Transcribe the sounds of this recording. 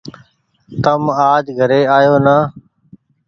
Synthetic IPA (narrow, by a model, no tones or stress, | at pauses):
t̪əmaːd͡ʒɡʱəɾeːaːjoːnaː